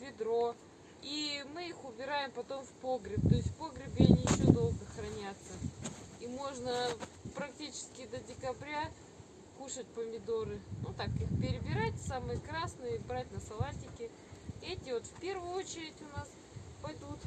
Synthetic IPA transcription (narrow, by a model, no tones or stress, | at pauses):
vʲɪd̪ɾo̞ | imɨixʊbʲɪɾajɪmpɐt̪o̞mfpo̞ɡɾʲɪp̚t̪o̞ɪsʲt̪ʲfpo̞ɡɾʲɪbʲɪɐnʲɪɕod̪o̞lˠɡəxɾɐnʲat̪səimo̞ʐnəpɾɐk̚tʲit͡ɕɪ̥skʲɪd̪ədʲɪkɐbɾʲa | kuʂət̚ʲpəmʲɪd̪o̞ɾɨnut̪akixpʲɪɾʲɪbʲɪɾatʲsamɨjəkɾasnɨjbɾatʲnəsɐlˠatʲɪkʲɪ | ɛtʲɪvo̞t̪fpʲe̞rvʊjʊot͡ɕɪɾʲɪtʲʊnas | pɐjd̪ut̪